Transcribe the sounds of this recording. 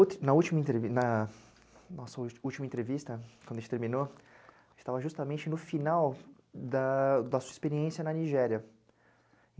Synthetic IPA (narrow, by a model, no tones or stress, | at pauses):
nɐut͡ʃimɐẽt̪ɾevinɐ | nɔsɐuwt͡ʃimɐẽnt̪ɾevist̪ɐkwɐ̃d̪ẽt͡ʃɪt̪eɾmĩnoʒ̃t͡ʃɪ̥t̪avɐʒust̪ɐmẽt͡ʃɪnʊfinaw | d̪ɐd̪ɐsu̥ɐispeɾiẽsjɐnɐniʒɛɾiɐ